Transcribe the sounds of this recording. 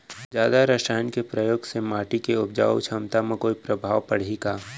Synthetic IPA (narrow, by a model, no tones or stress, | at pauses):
d͡ʒjaːd̪aɾəʃaːjnkepɾɐjoːɡsemaːʈikeʊpd͡ʒa̰ːw̰t͡ʃʰɐmt̪amẽkoːipɾɐbʱaːʋpɐɽ̤iɡaː